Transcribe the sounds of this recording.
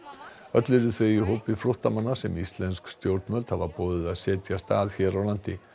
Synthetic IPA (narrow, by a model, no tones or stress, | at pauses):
œt̪lʏɾɪθvejiɦoːwpɪfɾʊht̪amanːasɛmist̪lɛnskst̪jowɾt̪mœlt̪havaɾpɔːðɪðaðsɛːt̪jast̪aːðçɛːɾawlan̥t̪ɪ